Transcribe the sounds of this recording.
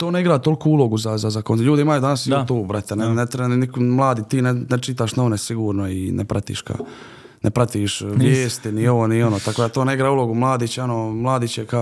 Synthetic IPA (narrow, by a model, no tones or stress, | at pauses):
t̪oːne̞iɡɾaːt̪o̞lkuulo̞ɡuzazazakonʎuːd̪iimajud̪anasit̪uːbɾat̪anenet̪ɾenikmlˠaːd̪iːt̪iːnenet͡ʃit̪̬aːʃnoʋnesiɡuːɾnoinḛpɾat̪ḭːʃka̰ | nʔepɾat̪iːʃʋʋjeːst̪inio̞ʋoːnio̞noːt̪akoːd̪at̪o̞ːneiɡɾaːulo̞ɡumlˠaːd̪it͡ɕeo̞nomlˠaːd̪it͡ɕeka